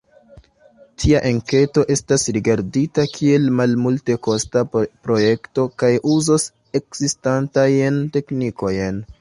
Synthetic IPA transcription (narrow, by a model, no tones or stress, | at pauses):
tʰiaʔeŋke̞to̞ʔe̞stasɾiɡaɾditakʰie̞lmalmulte̞ko̞stapɾo̞je̞kto̞kajuzos | e̞kz̥istantajnte̞kniko̞jn